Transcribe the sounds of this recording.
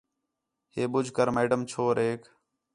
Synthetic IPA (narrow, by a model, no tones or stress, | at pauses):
ɦeːɓʊd͡ʒʱkəɾmeːɖəmt͡ʃʰoːɾeːk